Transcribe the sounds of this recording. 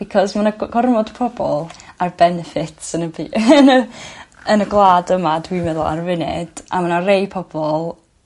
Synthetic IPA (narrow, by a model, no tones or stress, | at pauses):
b̥ikʰɔsmanaɡɔrmɔd̥pʰɔbɔlˠarbɛnɛfɪtʰsənəbiːʔənə | ənəɡlˠaːdəmadwimɛðlˠa̰rvɪnɪ̰d̥ʔa̰manarejpʰɔb̥ɔlˠ